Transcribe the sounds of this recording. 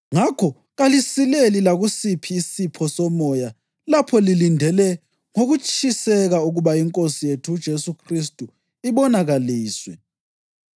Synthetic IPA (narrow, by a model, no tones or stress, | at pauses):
ŋakʰɔ | ɣalisilelilaɣusipʰiːsipʰɔsɔmɔja | lapʰɔlilindʱɛlɛ | ŋoɣut͡ʃʰʼisɛɣauɣuβaiŋkʼosijetʰud̥ʒ̥ʱesukʰris̬tʼu | iβɔnaɣaliːswɛ